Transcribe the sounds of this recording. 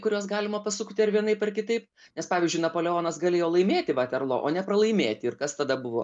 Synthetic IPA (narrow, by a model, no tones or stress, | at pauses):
kʊɾʲuːsɡɑːlʲɪmɐpɐsʊkːt̪ʲɪɐɾʋʲiɛnɐɪpɐrkʲɪt̪ɐɪp | nʲɛspɑːʋʲiːzʲd͡ʒʊɪnɐpoːlʲɛoːnɐsɡɐlʲeːjoːlˠɐɪmʲeːt̪ʲɪʋɐt̪ʲɛɾlˠo̰ːʔoːnʲɛpɾɐlˠɐɪmʲeːt̪ʲɪɪrkɐst̪ɐd̪ɐbʊʋo̰ː